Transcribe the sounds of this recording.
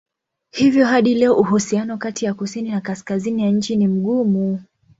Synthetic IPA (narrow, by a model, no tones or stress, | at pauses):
hivjɔɦaɗilɛɔʔuhusianɔkatijakusininakaskazinijaɲ̩t͡ʃinim̩ɠumu